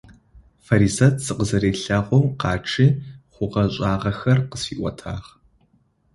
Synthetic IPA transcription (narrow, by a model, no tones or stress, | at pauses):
fɐɾisɐtʰsɨqəzɐɾeːɬɐʁʷɔmqɑːʈ͡ʂʰiχʷʊqɐɕʼaːʁɐxɐrqəsḭːʔʷɔ̰tʰa̰ːʁ